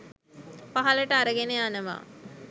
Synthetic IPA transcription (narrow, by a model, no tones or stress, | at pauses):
paɦɐləʈəaɾəɡeneanəʋa̰ː